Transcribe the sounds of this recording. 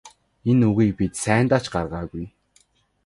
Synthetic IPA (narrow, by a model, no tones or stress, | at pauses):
enuɣiːk̚pit̪sæːnt̪aːt͡ɕɢarʁaːɣuj